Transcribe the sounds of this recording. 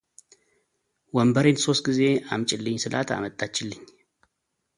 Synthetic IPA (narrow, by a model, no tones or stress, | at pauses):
wəmbəɾenso̞st̪̚ɡize̞amt͡ʃʼɪlːɨɲsɨlʔa̰t̪ʰa̰mət̪ʼːat͡ʃːɪlːɨɲː